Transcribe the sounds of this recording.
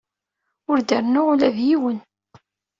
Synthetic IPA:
ʊɾd̪əɾnʊʁlæðjiwən

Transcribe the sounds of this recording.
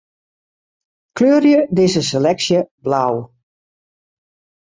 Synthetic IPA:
kʰløːərjədɪsəs̬elɛksjəblaw

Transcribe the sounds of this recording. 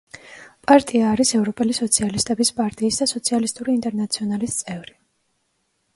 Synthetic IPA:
pʼaɾt̪ʼiaːɾisɛvɾɔpʼɛlisɔt̪sʰialist̪ʼɛbispʼaɾt̪ʼiːsd̪asɔt̪sʰialist̪ʼuɾiːnt̪ʼɛɾnat̪sʰiɔnalist̪sʼɛvɾi

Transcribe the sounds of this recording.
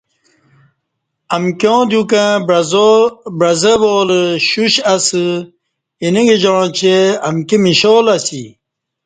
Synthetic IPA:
ɐmkjõːd̪jukã | bɾɐzəboːləɕuɕɐsɨ | iniɡed͡ʑoɻõt͡ɕeɐmkemiɕoːlɐsi

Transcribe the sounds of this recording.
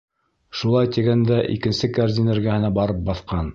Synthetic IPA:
ʃulˠɑjt̪iɡænd̪æʔḭkɘ̆nsɘkaɾzʲineɾɡæhɘ̆næbɑɾɤp̚bɑθqɑn

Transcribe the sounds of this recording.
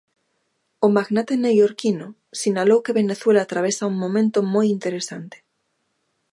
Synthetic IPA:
omaɣnat̪enewjoɾkino | sinalowkeβeneθwelat̪ɾaβ̞esauŋmõmẽnt̪omojint̪eɾesant̪e̥

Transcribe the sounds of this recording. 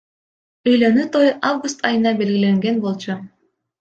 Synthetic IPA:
øjlønyt̪ojʔavɡust̪ɑjɯnɑbe̞lɡile̞ŋɡenbo̞lˠt͡ɕu

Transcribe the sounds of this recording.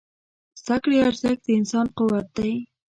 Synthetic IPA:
sakɽiaɾzak̚d̪əɪnsɑnqʊwat̪̚d̪aj

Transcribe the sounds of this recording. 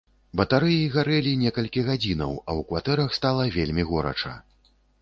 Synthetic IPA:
bɐt̪aɾɨjiɣaɾɛlʲinʲɛkɐlʲkʲiɣad͡zʲinɐ̰wɐwkvat̪ɛɾɐxst̪alˠɐvʲelʲmʲiɣɔɾɐ̰t͡ʂɐ̰

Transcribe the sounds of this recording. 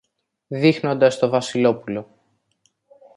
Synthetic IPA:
ðixno̞nd̪ɐst̪o̞vɐsilo̞pulo̞

